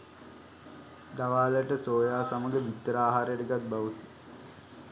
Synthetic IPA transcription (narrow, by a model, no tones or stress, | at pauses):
d̪aʋaːləʈəsoːjaːsaməɡəʋit̪ːəɾaːɦaːɾəjəʈəɡat̪̚baʋut̪